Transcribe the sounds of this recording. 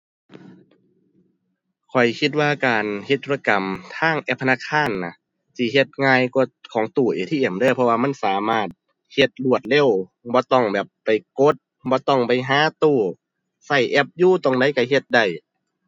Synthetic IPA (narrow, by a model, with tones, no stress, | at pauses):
kʰɔ˨˩jkʰi˧t̪̚waː˧kaː˨˩nhe˧t̪ʰːuː˧a˧ka˨˩mt̪ʰaː˧˥˩ŋʔɛ˧˩pʰːna˧˥˨kʰːaː˧˥˨nːa˧ | sʰi˧˩ɦe˧t̪̚ŋaː˧jkɔ˧˩kʰɔː˨˦ŋt̪uː˧˩ʔeː˨˩t̪ʰiː˧˨ʔe˨˩mdaː˧˨jpʰɔ˧waː˧ma˧˥˨nsaː˨˦maː˧˩t̪̚ | he˧t̪̚lu˧˩ət̪̚le˧˥˨wbɔː˧˦t̪ɔ˧˩ŋbɛː˨˩pːa˨˩jko˧˦t̪̚ | bɔː˧˦t̪ɔ˧˩ŋpa˨˩jɦaː˨˦t̪uː˧˩ | sa˧˩jʔɛ˧˥p̚juː˧˩˨t̪o˧˨ŋda˧˦jka˧˩ɦe˧t̪̚da˧˩j